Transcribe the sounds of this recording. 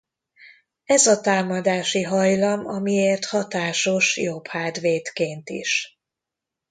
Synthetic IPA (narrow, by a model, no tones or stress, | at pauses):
ɛzɒt̪aːmɒd̪aːʃiɦɒjlɒmɒ̰mieːrt̪hɒt̪aːʃo̞ʃjophaːd̪ʋeːt̪keːnt̪ḭʃ